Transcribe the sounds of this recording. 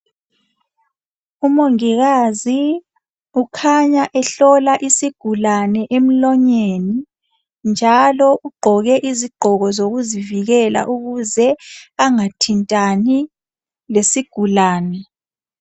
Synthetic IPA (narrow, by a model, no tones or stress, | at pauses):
umoŋiɣazi | ukʰaɲaʔɛɬɔlaʔisiɡ̥ʱulanɛʔem̩lɔɲeni | nd͡ʒʱalɔʔuɡ͡ǃʱɔɣɛʔiziɡ͡ǃʱɔɣɔzoɣuziviɣɛla̰ʔuɣuzɛaŋatʰintʼani | lesiɡ̥ʱulaːnɛ